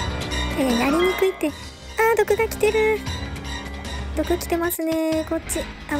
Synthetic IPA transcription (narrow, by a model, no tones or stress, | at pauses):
eːj̪aɾʲiɲ̟ikɯ̟it̪ːe̞ | aːd̪o̞kɯ̟ɡakʲi̥t̪e̞ɾɯ̟ | d̪o̞kɯ̟kʲi̥t̪e̞masɨne̞ko̞t͡ɕːi | a